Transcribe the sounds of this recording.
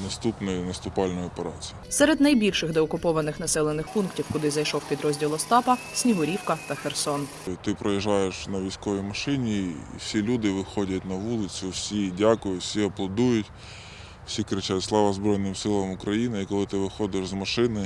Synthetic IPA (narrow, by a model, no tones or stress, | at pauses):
nɐst̪upnɔjʊnɐst̪ʊpɑlʲnɔjʊɔpeɾɑt͡sʲijʊsɛɾed̪nɐjbʲilʲʃɪxd̪eɔkʊpɔʋɐnɪxnɐsɛlˠenɪxpunktʲiwkʊd̪ɪzɐjʃɔwpʲid̪ɾɔzʲdʲilˠɔst̪ɑpɐ | sʲnʲiɦʊɾʲiwkɐt̪ɐxersɔn | t̪ɪpɾɔjiʒːɑjeʃnɐʋʲijsʲkɔʋʲijmɐʃɪnʲiḭwsʲilʲud̪ɪʋɪxɔdʲɐtʲnɐʋulˠɪt͡sʲʊwsʲidʲakʊjʊtsʲiɔblˠɐd̪ujʊtʲ | wsʲikɾɪt͡ʃatʲslˠɑʋɐzbɾɔjnɪmsɪlˠɐmʊkɾɐjinɪikɔlˠɪt̪ɪʋɪxɔd̪ɪʃzmɐʃɪnɪ